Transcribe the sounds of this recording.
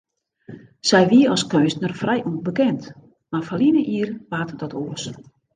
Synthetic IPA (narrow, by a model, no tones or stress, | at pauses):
sɛjʋiəɔskøːsnərfrɛjʔunbəkɛnt | marfalinəʔiərʋaːtədɔtʰoəs